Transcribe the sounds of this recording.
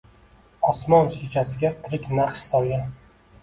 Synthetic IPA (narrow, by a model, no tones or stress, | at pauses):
ɒsmɒnʃet͡ʃʰasɪɡʲat̪ʰɪɾɪkʲnaχʃsawja